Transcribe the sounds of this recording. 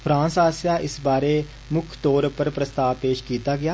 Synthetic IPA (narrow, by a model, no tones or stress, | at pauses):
pʰɾãːnsaːsjaʔɪsbaːɾe | mʊkʰt̪ɔːɾpəɾpɾəst̪aːʋpeːʃkiːt̪aɡɪjaː